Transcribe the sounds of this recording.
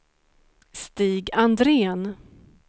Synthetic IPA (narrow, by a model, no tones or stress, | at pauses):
st̪iːɡand̪ɾeːn